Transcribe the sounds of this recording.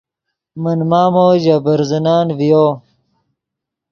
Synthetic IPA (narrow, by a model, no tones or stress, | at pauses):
mɐnmaːmoːʑabɐɾzɐnaːnvijo